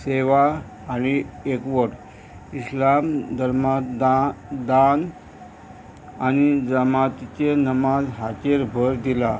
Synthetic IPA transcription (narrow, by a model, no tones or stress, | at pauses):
seʋaː | ñiekʋəʈ | islamd̪əɾma | d̪an | añid͡zəmat̪it͡ɕenəmad͡zɦat͡ɕeɾbʱəɾd̪ila